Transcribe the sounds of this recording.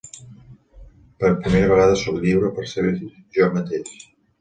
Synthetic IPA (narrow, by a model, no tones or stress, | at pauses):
pəɾpɾimeɾəβəɣaðəsɔkʎiβɾəpəɾsəβeti | ʒɔmət̪eʃ